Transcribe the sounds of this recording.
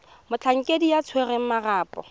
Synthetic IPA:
mʊt͡ɬʰaŋ̩kʼedijat͡sʰwerɛŋ̩maraːpʼɔ̰

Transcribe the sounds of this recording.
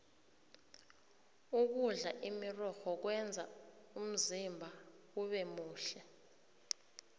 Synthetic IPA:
uk̬uɮaʔimirɔxɔk̬wɛnd͡zʱa̰ | um̩zimbʱa | uɓɛmuːɬɛ

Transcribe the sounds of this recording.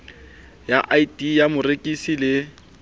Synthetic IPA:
jaʔaitʼijamʊrekʼisilɪ

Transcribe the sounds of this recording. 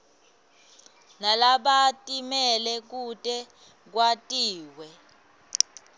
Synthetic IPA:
nalaɓatʼimɛlɛk̬utʼɛ | k̬watʼiːwɛ

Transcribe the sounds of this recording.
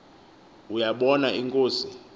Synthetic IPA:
ujaɓɔnaiŋkʼoːsi

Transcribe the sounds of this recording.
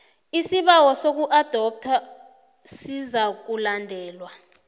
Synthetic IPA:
isiɓawɔsok̬uʔad̥ʱɔp̚tʰa | sizak̬ulandʱɛːlwa

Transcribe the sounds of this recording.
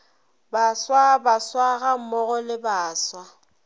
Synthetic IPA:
baswabaswaɣam̩mɔɣɔlɪbaːswa

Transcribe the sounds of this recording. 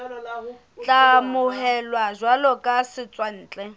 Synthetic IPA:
t͡ɬʼamʊɦɛlwazwalɔkʼasɪt͡sʼwan̩ːt͡ɬʼɛ

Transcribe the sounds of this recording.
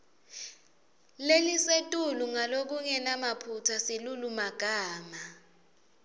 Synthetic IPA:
lelisetʼuluŋalok̬uŋɛnamapʰutʰasilulumaɡ̥ʱaːma

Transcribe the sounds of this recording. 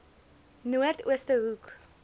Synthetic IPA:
nuərtuəstəɦuk

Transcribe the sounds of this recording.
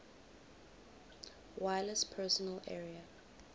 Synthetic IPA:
wajlɛspʰɛsɔnalɛ̰ɹia

